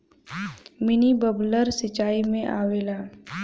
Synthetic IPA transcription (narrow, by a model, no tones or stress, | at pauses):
mɪnibəbləɾsət͡ʃaːimẽʔaːʋeːlaː